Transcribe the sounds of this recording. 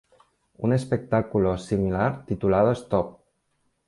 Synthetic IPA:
ṵnespek̚t̪akulosimilaɾt̪it̪ulaðoest̪ɔp̚

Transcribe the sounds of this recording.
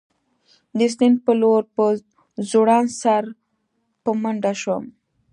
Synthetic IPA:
d̪əs̬ninpəloɾpə | zuɽɑnsaɾ | pəməɳɖaʃwəm

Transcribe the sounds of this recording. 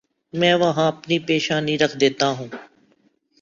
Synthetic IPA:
mɛ̃ːʋɐɦãɐpnipeːʃaːniɾɐkʰd̪eːt̪aɦũː

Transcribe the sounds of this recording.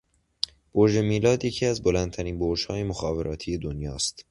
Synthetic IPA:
b̥oɾd͡ʒe̞miːlɒːd̪je̞cʰiːæzbo̞lænd̪̚t̪ʰæɾiːnboɾd͡ʒhɒːje̞moxɒːve̞ɾɒːt̪ʰiːje̞d̪onjɒːst̪

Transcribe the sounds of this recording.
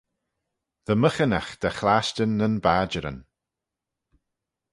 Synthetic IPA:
ðəməxənaxd̪̥əxlaːstənːənbaːd͡ʒəɾə̰n

